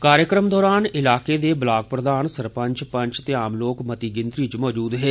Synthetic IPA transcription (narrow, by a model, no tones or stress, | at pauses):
kaːɾjəkɾəmd̪ɔːɾaːnɪlaːkeːd̪eːblaːk̚pɾəd̪aːnsəɾpə̃ɲt͡ʃpə̃ɲt͡ʃt̪eːaːmloːkmət̪iːɡɪnd̪ɾiːt͡ʃmɔːd͡ʒuːd̪ɦɛː